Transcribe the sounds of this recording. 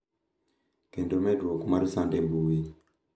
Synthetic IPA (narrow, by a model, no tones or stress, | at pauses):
kendomedwokumaɾusandebuwi